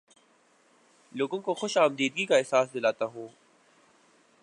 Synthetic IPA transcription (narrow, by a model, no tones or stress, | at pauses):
loːɡõkoxʊʃaːmd̪iːd̪ɡikaɛɦsaːsd̪ɪlaːt̪aɦũː